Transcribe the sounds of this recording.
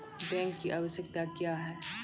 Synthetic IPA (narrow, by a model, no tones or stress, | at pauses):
bɛ̃ːŋkːiʔaːʋəʃjək̚t̪akjaːɦɛː